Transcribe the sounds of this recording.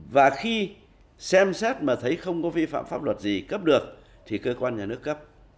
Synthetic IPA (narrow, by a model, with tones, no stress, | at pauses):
vaː˨˩xi˧ | sɛ˧msɛ˦˥t̚maː˨˩t̪ʰə˨˦jxə˧wŋ͡mkɔ˨˦vi˧fa̰ː˧˨mfaː˦˥p̚lwə˨˩t̚zi˨˩kə˦˥p̚ɗɨ˨˩ək̚ | t̪ʰi˨˩kəː˧kwaː˧nɲaː˨˩nɨ˦˥əkːə˦˥p̚